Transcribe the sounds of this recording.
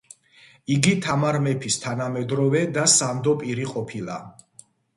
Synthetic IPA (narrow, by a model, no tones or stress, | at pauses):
iɡit̪ʰamaɾmɛpʰist̪ʰanamɛd̪ɾɔvɛd̪asamd̪ɔpʼiɾiqʼɔpʰilˠa̰